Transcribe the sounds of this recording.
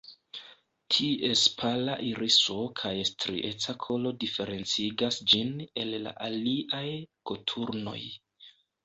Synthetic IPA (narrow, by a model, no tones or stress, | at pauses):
tʰie̞spʰalaʔiɾʔiso̞kʰajestɾḭʔe̞t͡sakʰo̞lo̞dife̞ɾe̞nt͡siɡasd͡ʒine̞lːa̰ʔaliʔajko̞tʰuɾno̞̰j